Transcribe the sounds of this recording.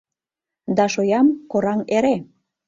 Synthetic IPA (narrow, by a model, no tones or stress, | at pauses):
d̪ɑʃojɑmkoɾɑŋeɾe